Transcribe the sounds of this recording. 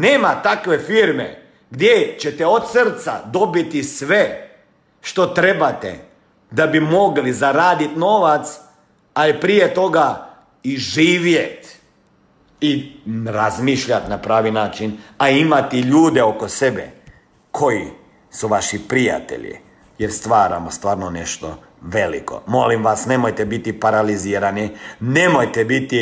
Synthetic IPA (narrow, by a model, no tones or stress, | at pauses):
neːmat̪akʋe̞fiɾmḛ | ɡd̪jet͡ɕet̪eot̪sr̩t̪sa̰d̪o̞bit̪isʋe | ʃt̪o̞t̪ɾebat̪ḛ | d̪abimo̞ɡlizaɾaːd̪it̪noʋat̪s | alipɾijet̪o̞ɡa | iʒiːʋjet̪ | iɾazmiːʃʎat̪napɾaːʋinaːt͡ʃinaimat̪iʎuːd̪e̞o̞kosebḛ | kʰo̞ji | suʋaʃipɾija̰t̪ḛʎḭ | jeɾst̪ʋaːɾa̰most̪ʋaːɾnone̞ʃt̪o̰ | ʋe̞lḭko̞̰mo̞limʋasnemojt̪ebit̪ipaɾaliziːɾanine̞mojt̪ebit̪i